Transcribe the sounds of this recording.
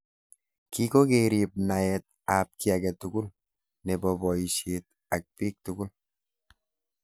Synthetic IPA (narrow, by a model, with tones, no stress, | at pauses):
kiko˦keɾi˨p̚na˨ɛt̚ | ap̚ki˦a˨kɛtʊɡʊ˦l | ne˨bɔ˨bɔ˨iʃet̚ | ak̚piː˦k̚tʊɡʊ˦l